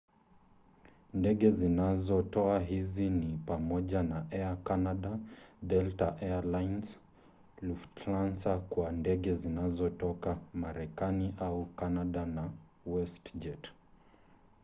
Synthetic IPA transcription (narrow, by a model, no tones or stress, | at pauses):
ndɛɠɛzinazɔtɔaɦizinipamɔʄanaɛakanaɗadɛltaʔɛalajns | luftlansakwandɛɠɛzinazɔtɔkamaɾɛkaniʔaukanaɗana | wɛstd͡ʒɛt